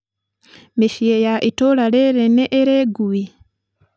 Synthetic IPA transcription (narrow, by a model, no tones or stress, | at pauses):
meʃiejaʔitolaleɾeneʔːɾeɡui